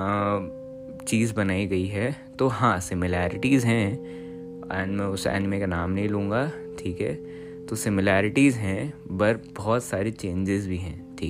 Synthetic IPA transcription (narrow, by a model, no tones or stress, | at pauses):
t͡ʃiːzbɐnaːiɡɐiɦɛ | t̪oɦãːsɪmɪlaːɾɪʈiːzɦɛ̃ | ɛ̃ːnmɛ̃ʊsɛ̰ːnɪmẽkanaːmnɐɦĩlũːŋ̆ɡaʈʰiːkɦɛ̰ | t̪osɪmɪlaːɾɪʈizɦɛ̃bɐɾbɔːt̪saːɾet͡ʃẽːɲd͡ʒɪzbʱiɦɛ̃ːʈʰiːk